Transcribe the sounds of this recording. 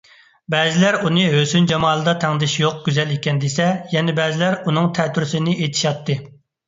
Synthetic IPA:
bɛzɪlæɾunɨɦøsynd͡ʒɑmɑːlˠɨd̪ɑt̪ʰæŋd̪ɪʃjoq̚ɡʲyzɛlekʲʰɛnd̪esɛjɛnɛbɛzɪlæɾunɨŋt̪ʰɛt̪ʰyɾsɪnɪʔet̪ʰɪ̥ʃɑt̪ʰːɨ

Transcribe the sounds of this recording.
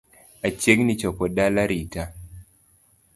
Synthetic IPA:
at͡ʃeŋnit͡ʃɔpɔdalaɾita

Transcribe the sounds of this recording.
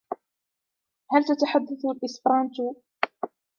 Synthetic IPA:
halt̪at̪aħad̪ːaθalʔɪsfɾˤɑnt̪u

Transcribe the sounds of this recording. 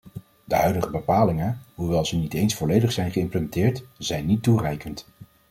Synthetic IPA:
dəɦœɥdəχəbəpaːlɪŋəɦuʋɛlˠzənitejnsfɔlejdəχsɛjnχəɪmpləmɛntɪːɹtz̥ɛjnːitːurɛjkənt

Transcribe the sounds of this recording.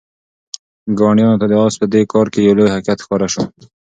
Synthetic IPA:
ɡɑnjɑnot̪ad̪əɑspəd̪ekɑɾkejawlojhaqijat̪xpɑɾaʃo

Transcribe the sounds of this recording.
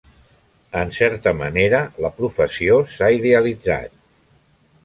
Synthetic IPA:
ənsɛɾt̪əmə̰neɾələpɾufəsiosaiðeəlid͡za̰t̪̚

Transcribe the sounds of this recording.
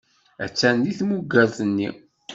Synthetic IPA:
æ̰t͡sːænːiθmuɡːæzˤənːḭ

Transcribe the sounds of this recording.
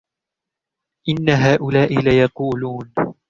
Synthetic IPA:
ʔɪnːaɦaːʔʊlaːʔɪlajɑquːluːn

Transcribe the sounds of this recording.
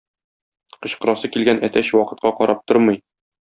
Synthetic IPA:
qɤ̆ɕqɤ̆ɾɑsɤkilɡænʔæt̪æɕwɒqɤ̆t̪̚qɑqɒɾɑp̚t̪oɾmɤj

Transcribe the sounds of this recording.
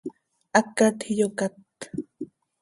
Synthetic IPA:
akat̪hijokat̪

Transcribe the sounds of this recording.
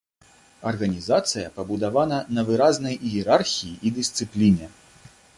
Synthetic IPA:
ɐrɣɐnʲizat̪sɨjɐpɐbud̪avanɐnɐvɨɾaznɐjjɛɾarxʲijiʔid̪ɨst̪sɨplʲinʲɛ

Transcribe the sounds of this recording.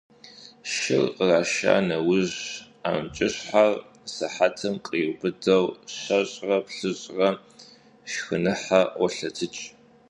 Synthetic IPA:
ʃɪ̰rəraːʃa̰ːnɐwʊʑ | a̰ːmt͡ʃʼɪɕħar | sɐħatʰɐmqʼiːbɨdɐwɕɐʑʼrɐpɬɨʑʼrɐ | ʃxɨnɨħawɔɬɐtʰɨt͡ʃʼ

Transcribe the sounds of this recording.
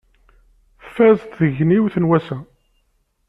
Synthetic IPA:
fæzt̪ðəʝniwθənwæsæ

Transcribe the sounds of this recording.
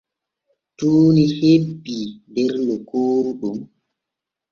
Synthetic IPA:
tuːnihebːidɛɾlɔkoːɾuɗum

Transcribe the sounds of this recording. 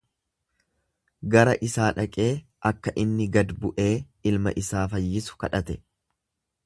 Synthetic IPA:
ɡɐɾɐʔɪsaːᶑɐkʼe̞ː | ʔɐkːɐʔɪnːɪɡɐd̪bʊʔe̞ː | ɪlmɐ̰ʔɪsaːfɐjːɪsʊ̥kɐᶑɐt̪ɛ

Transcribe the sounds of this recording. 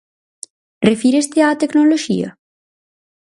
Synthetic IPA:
refiɾest̪eaːt̪eknoloʃḭɐ̰

